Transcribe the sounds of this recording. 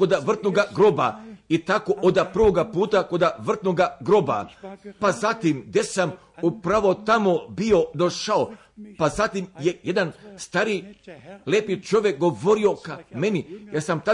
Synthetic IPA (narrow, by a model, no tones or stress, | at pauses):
ko̞d̪aʋr̩t̪noɡaɡɾo̞bait̪ako̞ʔod̪apr̩ʋo̞ɡapuːt̪ako̞d̪aʋr̩t̪noɡaɡɾo̞ba̰pazat̪imɡd̪esam | upɾaʋo̞t̪amo̞bio̞d̪o̞ʃao | pazat̪imjejed̪anst̪aɾileːpit͡ʃo̞ʋjek̚ɡo̞ʋo̞ɾio̞kame̞nijeɾsamt̪a